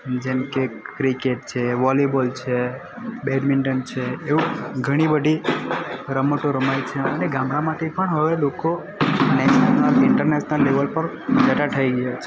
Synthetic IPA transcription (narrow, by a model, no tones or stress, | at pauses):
d͡ʒemkekɾikeʈ̚t͡ʃʰeʋɔlebəlt͡ʃʰe | beɖmɪɳʈənt͡ʃʰeːʋũɡʱəɽ̃ibəd̪ʱi | ɾəmoʈoɾəmajt͡ʃʰeəneɡãmɾamaʈ̪ʰepəɳɦəʋeloko | nɛʃənəlɪɳʈəɾneʃnəlːeʋəlpəɾ | d͡ʒəʈaʈ̪ʰəiɡəjat͡ʃʰe